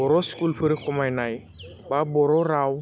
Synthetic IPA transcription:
ɔɾɔskulpʰɯɾekɔmajnaj | babɔɾɔɾaw

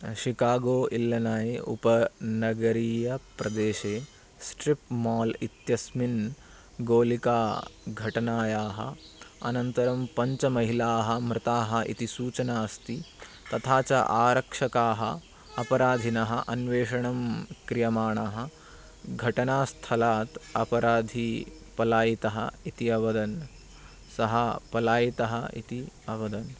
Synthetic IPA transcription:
ʃikaːɡoːʔilːɐnaːjeʔṵpɐnɐɡɐɾiːjɐpɾɐd̪eːʃeː | sʈɾipmaːlit̪jɐsmin | ɡoːlikaːɡʱɐʈɐnaːjaːɦɐ̰ɐ̰nɐnt̪ɐɾɐmpɐɲt͡ʃɐmɐɦilaːɦɐmɾɪt̪aːɦɐʔḭt̪isuːt͡ʃɐnaːst̪i | t̪ɐt̪ʰaːt͡ʃɐ̰ʔaːɾɐkʂɐkaːɦɐ̰ | ɐpɐɾaːd̪ʱinɐɦɐʔɐnʋeːʂɐɳɐmkɾijɐmaːɳaːɦɐ | ɡʱɐʈɐnaːst̪ʰɐlaːt̪ɐpɐɾaːd̪ʱi | pɐlaːjit̪ɐɦɐ̰it̪iɐʋɐd̪ɐn | sɐɦɐpɐlaːjit̪ɐɦɐḭt̪iɐʋɐd̪ɐn

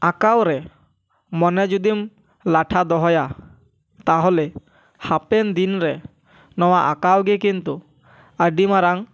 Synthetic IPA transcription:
akawɾɛ | mɔnɛd͡ʒud̪im | laʈʰad̪ɔɦɔja | t̪aɦɔlɛ | hapɛnd̪inɾɛ | nɔwaʔakawɡɛkint̪u | əɖimaɾaŋ

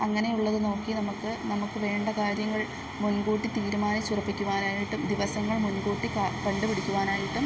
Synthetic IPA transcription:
ɐŋːɐne̞juɭːɐðɨno̞ːkːinɐmukːɨnɐmukːɨʋe̞ːɳɖɐkaːɾjɐŋːɐɭ | munɡuːʈːit̪iːɾumaːnɐt͡ɕːurɐpːikʲːuʋaːnaːjiʈːumd̪iʋɐsɐŋːɐɭmunɡuːʈːikːpɐɳɖupiɽikʲːuʋaːnaːjiʈːum

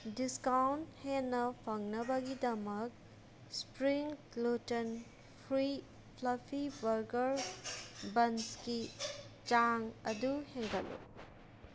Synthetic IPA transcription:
diskawnthenːɐpʰɐŋnɐbɐɡidɐmɐk̚ | spɾiŋ | loten | pʰɾi | pʰlɐpʰibɐɾɡɐɾ | bɐnskit͡ʃaŋɐduheŋɡɐlṵ

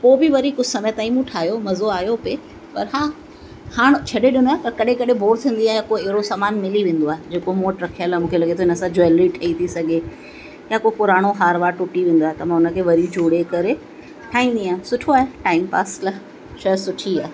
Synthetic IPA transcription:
poːbɪʋɐɾikʊsɐmet̪aːĩmũʈʰaːɦijomɐzoaːɦjope | pɐɾɦãː | haːɽ̃t͡ɕʰɐɗeɗɪnak̪ɐkɐɗẽkɐɗẽbʱoːɾt̪ʰĩːn̆d̪iaːɦejakoːeɦɾosaːmaːnmɪliʋẽːn̆d̪oaːɦed͡ʑeːkomoːʈɾɐkʰijəlɛ̃mũːkʰelɐɠʱet̪ʰoɪnəsãd͡ʑoɪlɾiʈʰɐit̪ʰisɐɡʱe | jakopʊɾaːɽ̃oɦaːɾʋaːɾʈʊʈiʋẽːn̆d̪oaːɦet̪ɐmãːʊnə̆kʰeːʋɐɾid͡ʑoːɽekɐɾe | ʈʰaːɦĩːn̆d̪iãːsʊʈʰoaːɦeʈaːɪmpa̰ːslɐ | ʃɐsʊʈʰiaːɦ

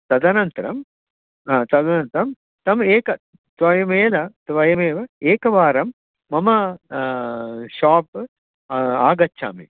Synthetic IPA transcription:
t̪ɐd̪ɐnɐnt̪ɐɾɐ̰m | aːt̪ɐd̪ɐnɐnt̪ɐɾɐm | t̪ɐmeːkɐ | t̪ʋɐjɐmeːlɐt̪ʋɐjɐmeːʋɐeːkɐʋaːɾɐmː | ɐmɐ | ʃaːp̚ | aːɡɐtːʃʰa̰ːmḭ

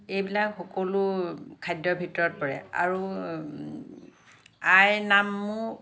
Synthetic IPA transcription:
ejbilakxɔkɔlukʰajdːɔbʱitɔɹɔt̚pɔɹɛa̰ɹu | ajnamːu

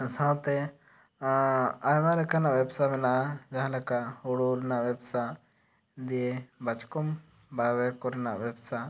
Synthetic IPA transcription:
sãwt̪ɛ | ajmalɛkanaʔwɛbsamɛnaʔad͡ʒãɦãlɛkaʔuɽolnaʔwɛbsa | d̪ijebat͡ʃkɔm | bawɛkɔɾɛnaʔbɛbsa

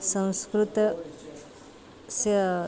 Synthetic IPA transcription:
sə̃w̃skɾut̪ | sə

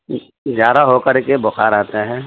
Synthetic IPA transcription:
d͡ʒjaːd̪aɦokəɾkebʊxaɾaːt̪aɦɛ̃ː

